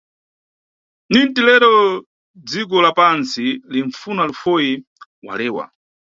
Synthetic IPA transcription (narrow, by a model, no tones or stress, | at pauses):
nintilɛɾɔ | d͡zik̬ɔlapansiliɱfunalufɔjiwa̰lɛːwa̰